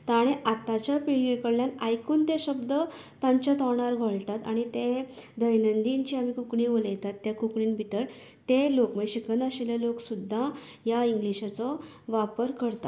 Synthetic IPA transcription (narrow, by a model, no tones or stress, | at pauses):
t̪aɽ̃eʔat̪at͡ɕjapiɭɡikəɽljanajkuːnt̪eɕəbd̪ə | t̪aɲt͡ɕjat̪ɔɳ̃aɾɡʱəɭt̪at̪aɽ̃it̪ed̪ʱəjnənd̪iɲt͡ɕiamikukɳiʋolejt̪at̪ːjakukɳiːnbʱit̪əɾ | t̪elokməjɕikənəɕiljaloksud̪ʱːa | jaiŋɡliɕat͡sɔʋapəɾkəɾt̪at̪